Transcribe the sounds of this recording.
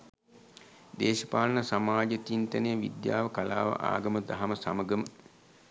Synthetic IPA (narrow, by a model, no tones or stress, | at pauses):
d̪eːʃəpaːlɐnɐsamaːd͡ʒət̪int̪ɐnejəʋḭd̪jaːʋəkɐlaːʋɐ̰ʔa̰ːɡɐməd̪aɦɐməsa̰məɡəmə